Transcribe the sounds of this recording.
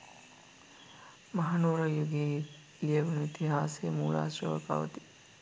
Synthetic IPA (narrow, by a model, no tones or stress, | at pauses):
mɐɦanuːɾɐjuɡi | lijɐʋunuit̪iɦaːsemuːɭa̰ːsɾəʋɐ̰ka̰ʋɐ̰t̪i̥